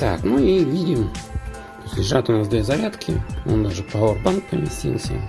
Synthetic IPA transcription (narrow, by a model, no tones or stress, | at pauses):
t̪a̰knujevʲidʲɪm | osʲt̪ʲlʲɪʐat̪ʊnasd̪vʲezɐɾʲat̪kʲʰɪ̰o̰nd̪aʐɨpaorbank̚pəmʲɪsʲtʲḭlˠsʲə̰